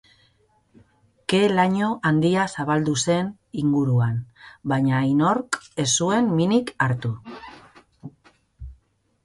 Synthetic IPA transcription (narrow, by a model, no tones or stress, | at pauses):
ke̞laɲo̞ʔand̪iasaβald̪use̞n | iŋɡuɾuanbaɲajno̞ɾke̞sue̞nminikaɾt̪u